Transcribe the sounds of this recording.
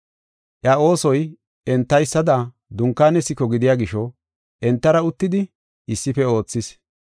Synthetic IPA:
ʔjɐo̞ːsɔj | ɛnt̪ːɐjsːɐd̪ɐ | d̪ʊŋkːaːnɛsːɪkɔɡɪd̪ɪjaːɡɪʃɔ | ʔɛnt̪ːɐɾɐʊt̪ːɪd̪ɪ | ɪsːɪfɛo̞ːt͡sːɪs

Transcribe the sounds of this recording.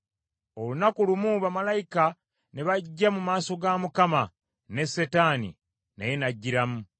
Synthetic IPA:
olunakulumuβamalajika | ne̞βaɟːamumaːso̞ɡamukama | ne̞se̞taːnḭ | na̰je̞naɟːiɾamu

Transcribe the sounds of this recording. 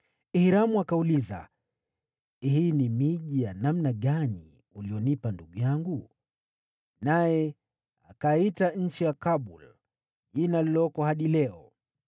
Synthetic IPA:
ihiɾamuakauliza̰ | hinimiʄijanamnaɠani | uliɔnipanduɠujaŋɡu | najɛ | akaitaɲ̩t͡ʃijakaɓul | ʄinalilɔkɔhaɗilɛɔ

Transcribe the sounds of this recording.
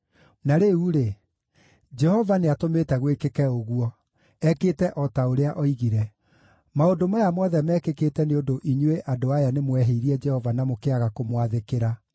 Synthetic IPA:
naɾeuɾe | d͡ʒɛhɔvaneatomeːtɛɣwekekɛoɣuɔ | ɛketɛʔɔtaoɾeaʔɔiɣiɾɛ | maodomajamɔðɛmɛːkekeːtɛneondoʔiɲweʔadoajanemwɛɦeiɾiɛd͡ʒɛhɔvanamokeaɣakomwaðekeɾa

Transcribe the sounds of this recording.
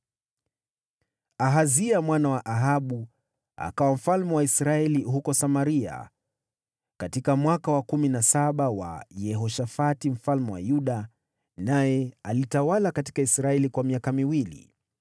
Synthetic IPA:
aɦaziamwanawaʔaɦaɓu | a̰kawam̩falmɛwaisɾaɛliɦukɔsamaɾia̰ | katikamwakawakuminasaɓawa̰jɛɦɔʃafatim̩falmɛwa̰juɗa | najɛalitawalakati̥kaisɾaɛlikwamiakamiwilḭ

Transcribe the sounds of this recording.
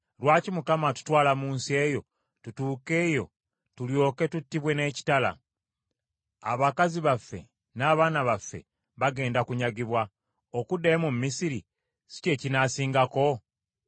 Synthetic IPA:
lwaːcimukamatu̥twaːlamuːnsie̞ːjo̞ | tutuːke̞ːjo̞̰ | tuljo̞ːke̞tutːiβwe̞ne̞ːci̥tala̰ | a̰βakaziβafːe̞̰ | naːβaːnaβafːe̞̰ | βaɡe̞ːndakuɲaɡiβwa | okudːeːmumːisiɾi | si̥ce̞ːcinaːsiːŋɡako̞

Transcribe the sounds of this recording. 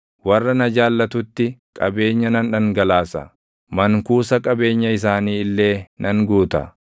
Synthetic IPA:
wɐrːɐnɐd͡ʒaːlːɐt̪ʊt̪ːɪkʼɐbe̞ːɲːɐnɐnᶑɐŋɡɐlaːsɐ̰ | mɐŋkuːsɐkʼɐbe̞ːɲːɐɪs̬aːniːɪlːe̞ːnʔɐŋɡuːt̪ɐ̰

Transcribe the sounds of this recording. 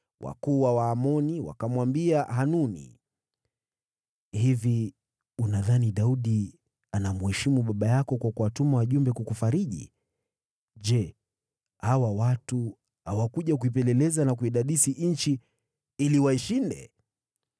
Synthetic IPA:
wʔa̰kuːwawaːmɔniwa̰kamwambiaɦanunḭ | hivi | unaðaniɗauɗi | anamuhɛʃimuɓaɓajakɔkwakuwatumawaʄumbɛkukufaɾiʄḭ | ʄɛ | hawawatu | hawakuʄakuip̬ɛlɛlɛzanak̬uiɗaɗisiʔɲ̩t͡ʃi | iliwaiʃindɛ̰

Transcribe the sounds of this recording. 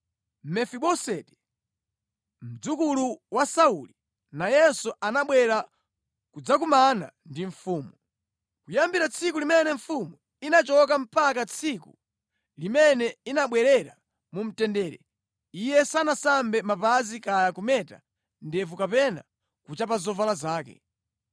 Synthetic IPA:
mɛfiɓɔsɛtɛ̥ | m̩d͡zukuluwasauli | najɛsuʔanaɓwɛɾa | kud͡zak̬umana̰ndiɱfuːmu | kujambiɾat͡sʰikulimɛnɛɱ̩fumu | inat͡ʃɔk̬am̩pakat͡sʰikṵ | limɛnɛinaɓwɛɾɛɾa | mum̩tɛndɛːɾɛ̰ | ijɛsanasambɛmapazikajakumɛta̰ | ndɛpukapɛna̰ | kut͡ʃapazɔvalazaːkɛ̰

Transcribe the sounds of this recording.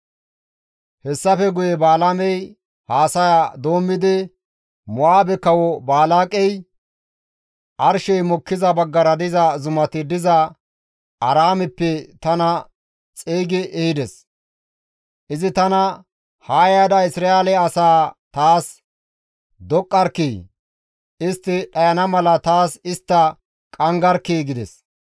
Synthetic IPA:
hɛsːɐfɛɡʊjɛbaːlamɛj | haːsɐjad̪o̞ːmːɪd̪ɪ | mʊʔaːbɛkɐwɔbaːlaːkʼɛj | ʔɐɾʃɛjmɔkːɪzɐbɐɡːɐɾɐd̪ɪzɐzʊmɐt̪ɪd̪ɪzɐ | ɐɾaːmɛpːɛt̪ɐnɐ | t͡sʼeːɡɪʔɛhɪd̪ɛs | ʔɪzɪt̪ɐnɐ | haːjad̪ɐɪsɾaelɛɐsaːt̪aːs | d̪ɔkʼːɐɾki | ɪst̪ːɪɗɐjɐnɐmɐlɐt̪aːsɪst̪ːɐ | kʼɐŋɡɐɾkeːɡɪd̪ɛ̰s

